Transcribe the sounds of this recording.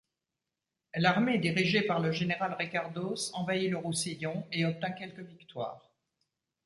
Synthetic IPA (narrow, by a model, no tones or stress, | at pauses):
laʁmed̪iʁiʒepaʁləʒeneʁalʁikaʁd̪osɑ̃vailəʁusijɔ̃eɔp̚t̪ɛ̃kʲɛlkəvikt̪wa̰ːʁ